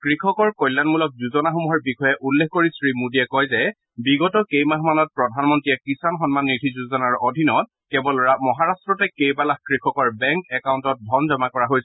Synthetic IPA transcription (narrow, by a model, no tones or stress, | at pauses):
kɹikʰɔkɔɹkɔjlːanmulɔk̚zuzɔnaxumuɦɔɹbixɔjɛʔulːekʰkoɹisɹimudiɛkɔjzɛ | biɡɔtɔkejmaɦmanɔt̚pɹɔdʱanmɔntɹijɛkisanxɔnmanːitʰizuzɔnaɹodʱinɔt̚ | kɛbɔlamɔɦaɹastɹɔtɛkejbalakkɹikʰɔkɔɹbɛŋkɛkauntɔt̚bʱɔnzɔmakɔɹaɦojsɛ